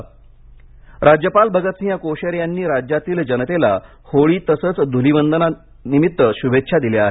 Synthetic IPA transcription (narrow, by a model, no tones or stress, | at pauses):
ɾʔad͡ʑjəpalbʱəɡət̪sjakoɕəɾjanːiːɾad͡ʑjat̪iːld͡ʑənət̪ela̰ | hoɭiːt̪əsəːt͡sd̪ʱulibənd̪əna | nimit̪ːəɕubetːɕʰad̪ileaɦe